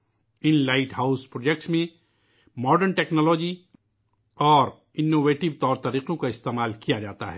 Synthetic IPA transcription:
ɪnlaɪʈɦaːʊspɾoːd͡ʒek̚ʈsmẽ | mɔːɖəɾnʈɛːknɔːlɔːd͡ʒi | ɔːɾ | ɪnːoːʋeːʈɪʋt̪ɔːɾt̪ɐɾiːqõkaɪst̪eːmaːlkijad͡ʒaːt̪a̰ɦɛː

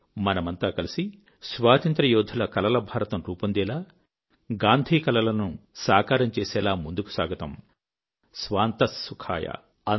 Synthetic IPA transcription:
mɐnɐmɐnt̪aːkɐlisi | sʋaːt̪ɐnt̪ɾɐjɔːd̪ʱɐlɐkɐlɐlɐbʱaːɾɐt̪ɐmɾuːpɐnd̪ɛːlaː | ɡaːnd̪ʱiːkɐlɐlɐnusaːkaːɾɐmt͡ʃeːsɛːlaːmund̪uku̥sa̰ːɡʱɐt̪ɐm | sʋaːnt̪ɐsːukʰa̰ːjɐ̰ | ɐ

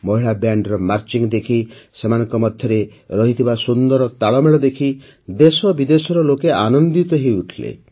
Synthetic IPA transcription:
mɔɦiɭabjaɳɖɾɔmaɾt͡ʃiŋd̪ekʰisemanɔŋkɔmɔd̪ʱjɔɾe | ɾɔɦit̪ʰibasund̪ɔɾɔt̪aɭɔmeɭɔd̪ekʰi | d̪esɔbid̪esɔɾɔlokeanɔnd̪it̪ɔɦeuʈʰilḛ

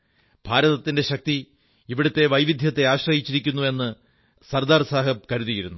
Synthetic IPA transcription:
b̥ʱaːɾɐðɐt̪ːinde̞ɕɐk̚t̪i | iʋiɽut̪ːe̞ʋɐjʋid̪ʱjɐt̪ːe̞aːɕrɐjit͡ɕːiɾikʲːunːue̞nːɨ | sɐrd̪aːrsaːɦɐkɐɾuðijiɾunːu

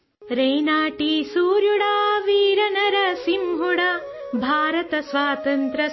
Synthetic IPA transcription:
ɾɐjnaːʈisuːɾjuɽaːʋiːɾɐnɐɾɐsimɦuɽabʱaːɾɐt̪ɐsʋaːt̪ɐnt̪ɾɐ

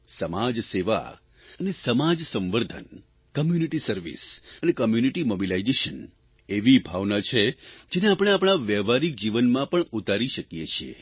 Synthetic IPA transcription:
səmad͡ʒseʋa̰ | ənesəmad͡ʒsə̃mʋəɾd̪ʱə̰n | kəmjuniʈisəɾʋḭsənekəmjuniʈimobilaid͡ʒeʃən | eʋibʱaʋnat͡ʃʰed͡ʒeneapɽ̃eapɽ̃aʋɛʋaɾik̚d͡ʒiʋənmãpəɳut̪aɾiʃəkjet͡ʃʰiḛ

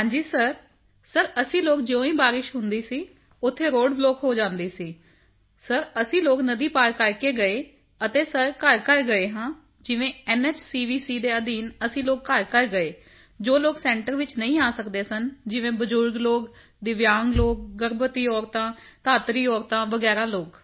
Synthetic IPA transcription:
ɦãːd͡ʒiːsəɾ | səɾəsĩːloːk̚d͡ʒeõːĩːbaːɾɪʃɦʊnd̪iːsiː | ʊt̪ʰːeːɾoːɖbloːkɦoːd͡ʒãːnd̪iːsiː | səɾəsĩːloːknəd̪iːpaːɾkəɾkeːɡəeː | ət̪eːsəɾkəɾkəɾɡəeːɦãː | d͡ʒɪʋẽːɛːnɛːt͡ʃsiːʋiːsiːd̪eːəd̪iːnəsĩːloːkːəɾkəɾɡəeː | d͡ʒoːloːksɛ̃ːɳʈəɾʋɪt͡ʃnəĩːaːsəkd̪eːsənd͡ʒɪʋẽːbəd͡ʒʊɾɡloːk | d̪ɪʋjaːŋɡloːk̚ɡəɾbət̪iːɔːɾt̪ãːt̪aːt̪ɾiːɔːɾt̪ãːʋəɡɛːɾaːloːk

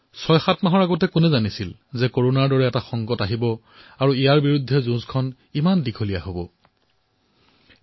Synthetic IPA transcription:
sɔjxatmaɦɔɹaɡɔtɛkʊnɛzanisil | zɛkoɹonaɹdɔɹɛːtaxɔŋɡɔtaɦibɔ | aɹuijaɹbiɹudʱːɛzũzkʰɔn | imandikʰolijaɦobɔ̰

